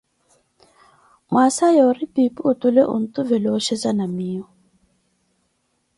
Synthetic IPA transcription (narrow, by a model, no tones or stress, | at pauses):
mwasajɔripipʼuːt̪ulɛʔṵn̩t̪uvɛlɔʃɛzanamiːɔ